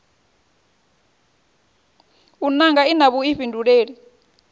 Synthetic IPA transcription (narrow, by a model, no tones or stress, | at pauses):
unaŋɡainaβuiɸindʱuɺeːɺi